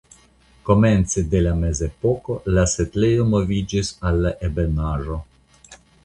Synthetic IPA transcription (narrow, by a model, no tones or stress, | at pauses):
ko̞me̞nt͡sed̪e̞lame̞ze̞poko̞lasetlejo̞mo̞vid͡ʒisalːaʔe̞benaʒo̞